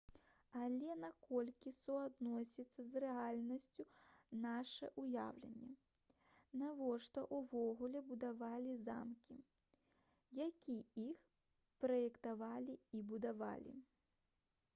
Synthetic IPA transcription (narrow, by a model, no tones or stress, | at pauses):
alʲɛnakɔlʲkʲisuad̪nɔsʲit̪sːɐzrɛalʲnɐsʲt͡sʲunaʂɛ̰ʔuja̰wlʲɛ̰nʲːɛ | navɔʂt̪ɔʔuvɔɣulʲɛbud̪avalʲiza̰mkʲi | jakʲiix | pɾɐjɛkt̪avalʲiibud̪ava̰lʲḭ